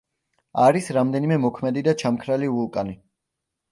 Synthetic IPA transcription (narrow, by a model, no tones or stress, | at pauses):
aɾisɾamd̪ɛnimɛmɔkʰmɛd̪id̪at͡ʃʰamkʰɾalivulˠkʼani